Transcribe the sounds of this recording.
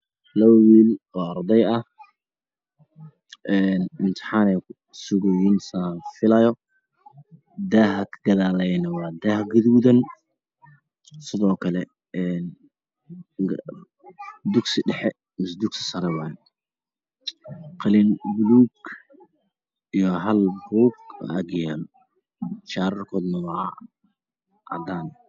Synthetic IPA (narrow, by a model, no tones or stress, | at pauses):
lɐβɐwiːlɔːɐrd̪ɛjɐh | ʔɛːnɪnt̪ʰɪ̥ħaːnɛjkʰʊ | sʊɣɔjɪnsanfɪlɐjɔ | d̪aːhɐkʰɡɐðaːlɛjnɐwɑːd̪aːhɡɐðuːðɐn | sɪðɔːkʰɐlɛ | ɛn | ɡ | d̪ʊɡsɪɖɛħɛ | mɪsd̪uɡsɪ̥sɐɾɛwɑː | qɑlɪnbʊluːɡ | ijɔɦɐlbuːɡ̰ɐɡɪjan | ʃaːɾɐrkʰɔːd̪nɐwɑ | ʔɐ̰d̪aːn